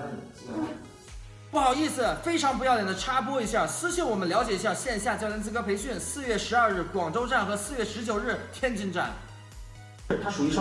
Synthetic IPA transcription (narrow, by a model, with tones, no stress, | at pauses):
pu˥˩xɑ˨˩ʊi˥˩s̩˩fe˥ɪʈ͡ʂʰɑ˧˥ŋp̬u˧˥j̪jɛ˨˩nd̪ə˧ʈ͡ʂʰa˥pwɔ˥i˧˥ɕja˥˩sɹ̩˥ɕnwɔ˨˩mə˦nljɑ˧˥ʊt͡ɕjɛ˨˩i˥ɕja˥˧ɕjɛ˥˧n˧ɕja˥˧˩t͡ɕjlɛ˧˥nt͡sɹ̩˥˩kɤ˥pʰe˧˥ɪɕy˥˩˧nsɹ̩˥˧ɥɛ˥˩ʂɻ̩˧˥ɐ˞˥˧ɻɻ̩˥˩kwɑ˨˩ŋʈ͡ʂo˥ʊʈ͡ʂa˥˩nxɤ˧˥sɹ̩˥˧ɥɛ˥˩ʂɻ̩˧˥t͡ɕjo˨˩ʊɻɻ̩˥˩t̪ʰjɛ˥nt͡ɕi˥˧nʈ͡ʂa̰˥˩n | u˨˥